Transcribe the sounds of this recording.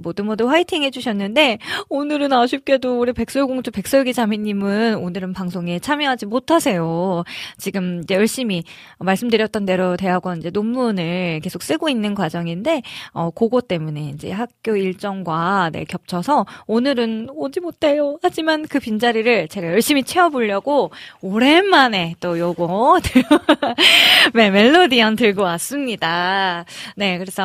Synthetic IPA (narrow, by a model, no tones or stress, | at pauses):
modɯnmɡʌdoɸwaitʰiŋɦe̞d͡ʑuɕʰʌnːɯnde̞onɯɾɯnaɕʰip̚k͈e̞doːɾepe̞k̚s͈ojɡoŋt͡ɕʰope̞k̚s͈oɡid͡ʑamiɲːimɯnonɯɾɯnpaŋsʰoŋe̞t͡ɕʰamjʌɦad͡ʑimotʰasʰe̞jot͡ɕiɡɯmid͡ʑe̞jʌɭɕ͈imi | ʌmaɭs͈ɯmdɯɾjʌt͈ʌnde̞ɾote̞ɦaɡwʌind͡ʑe̞nomːunɯɭɭke̞sʰok̚s͈ɯɡoinːɯnkwad͡ʑʌŋinde̞ʌkoɡot͈e̞mune̞ind͡ʑe̞̰ɦak̚k͈joiɭt͡ɕ͈ʌŋɡwanḛkjʌp̚t͡ɕʰʌsʰʌonɯɾɯnod͡ʑimot̚ʰe̞johad͡ʑimankɯpind͡ʑaɾiɾɯɭt͡ɕe̞ɡajʌɭɕ͈imit͡ɕʰe̞ʌboʎːʌɡooɾe̞mːane̞t͈ojoɡotɯ | meme̞ɭːodiantɯɭɡʌwas͈ɯmɲida | ne̞kɯɾe̞sʰʌ